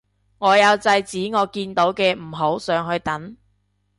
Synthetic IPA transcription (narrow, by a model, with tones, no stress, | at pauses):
ŋɔː˨˧jɐ˨˧wt͡sɐ˧jt͡siː˨˥ŋɔː˨˧kiː˧nt̪o˨˥wkɛː˧m̩˨˩ɦo˨˥wsœː˨˧ŋɦɵ˧ɥt̪ɐ˨˥n